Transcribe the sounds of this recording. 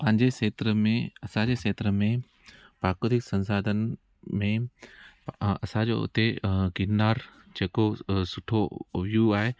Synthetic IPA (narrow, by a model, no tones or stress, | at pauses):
pɐ̃ɦɪ̃ɲd͡ʑeseːt̪ɾəmẽɐsãd͡ʑeːseːt̪ɾəmẽ | paːkoːd̪ɪksɐ̃nsaːd̪ʱənɪ̆ | mẽ | ɐsãd͡ʑo̰ːʊ̰t̪eɡɪnaːɾ | d͡ʑeːkosʊʈʰoʋijũaːɦe